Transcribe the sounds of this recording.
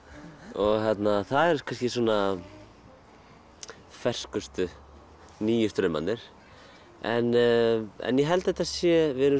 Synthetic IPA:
ɔɣçɛt̪naθaðɛɾ̥kʰanscɪsɔːna | fɛr̥skʏst̪ʏ | niːjʏst̪ɾʏma̰nnɪɾ̥ | ɛn | ɛ̰njɛɦɛlt̪ɛht̪asjɛvɛːɾʏ

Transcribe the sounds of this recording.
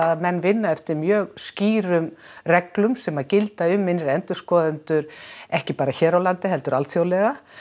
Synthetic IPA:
aðmɛnːvɪnːaɛft̪ɪɾmjœːɣsciːɾʏmrɛklʏmsɛmaðcɪlt̪aʏmːɪnɾɪɛnt̪ʏ̥skɔːðɪnt̪ʏɾɛhcɪpaːɾaçɛːɾawlant̪ɪɦɛlt̪ʏɾʔalt̪θjowlɛɣa

